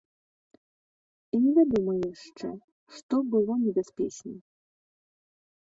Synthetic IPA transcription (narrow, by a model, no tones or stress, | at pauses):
inʲɛvʲad̪umɨjɛʂt͡ʂɛ̰ | ʂt̪ɔbɨlˠɔnʲɛbʲaspʲɛt͡ʂnʲɛ